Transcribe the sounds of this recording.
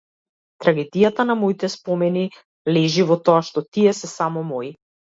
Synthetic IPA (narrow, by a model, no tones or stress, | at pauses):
t̪ɾaɡɛd̪ijat̪anamɔit̪ɛspɔmɛni | lɛʒivɔt̪ɔaʃt̪ɔt̪iɛsɛsamɔmɔi